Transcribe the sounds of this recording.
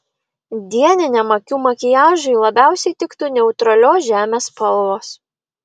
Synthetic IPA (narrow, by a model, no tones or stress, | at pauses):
d̪ʲiɛnʲɪnʲɛmɐkʲuːmɐkʲɪjæːʒʊɪlˠɐbʲæˑʊsʲɛɪt̪ʲɪkt̪ʊːnʲɛʊt̪ɾɐlʲoːsʒʲæːmʲeːspɐlˠʋoːs